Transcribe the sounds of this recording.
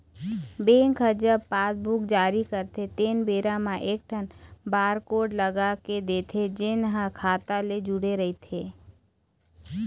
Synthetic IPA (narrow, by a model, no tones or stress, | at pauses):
bẽːŋkəd͡ʒəbpaːsbʊkd͡ʒaːɾikəɾt̪ʰet̪eːnbeːɾamãʔeːk̚ʈʰənbaːɾkoːɖləɡaked̪eːt̪ʰed͡ʒɪnɦəkʰaːt̪aled͡ʒʊɽeɾɐɦit̪ʰeː